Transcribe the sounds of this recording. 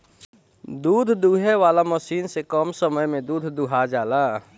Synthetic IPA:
d̪uːd̪ʱd̪uːɦeʋaːlaməʃiːnsekɔːmsəməjmẽd̪uːd̪ʱd̪uɦad͡ʒaːlaː

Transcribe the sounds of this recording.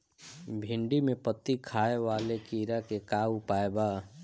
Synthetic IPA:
bʱɪ̃ɳɖimẽpət̪ːikʰaːeʋaːlekiːɾakekaːwpaːebaː

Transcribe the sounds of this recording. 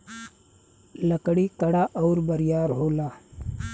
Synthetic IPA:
ləkɽiːkəɽaːʔɐːɾbəɾjaːɾɦoːlaː

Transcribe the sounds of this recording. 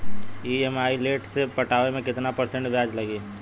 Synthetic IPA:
iemaːileːʈsepɐʈaːʋemẽkɪt̪napəɾsẽɳʈbʱjaːd͡ʒlɐɡeː

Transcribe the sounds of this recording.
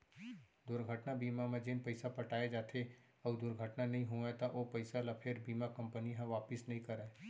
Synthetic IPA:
d̪ʊɾɡʱəʈnabiːmamẽd͡ʒenpɐɪsapɐʈaːed͡ʒaːt̪ʰe | ɐd̪ʊɾɡʱəʈnanɐɦĩɦoẽt̪aʔoːpɐɪsalapʰeɾbiːmakɐ̃mpəniɦãʋaːpɪsnɐɦĩkɐɾaeː

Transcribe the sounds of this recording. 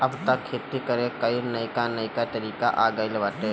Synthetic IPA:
əbt̪əkʰːet̪ikəɾekəɪɾnəjkanəjkat̪əɾiːkaʔaɡəɪlʋaːʈe

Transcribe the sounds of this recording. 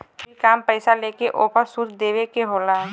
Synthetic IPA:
ikaːmpɛɪsaleːkeʔoːpəɾsut̪d̪eːʋekeɦoːlaːɦ

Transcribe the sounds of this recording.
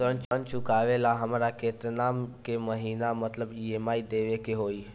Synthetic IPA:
sənt͡ʃənt͡ʃukaʋelaɦəmɾaket̪ɾənamkeməɦinamət̪ləbiemaid̪eʋekeɦoi

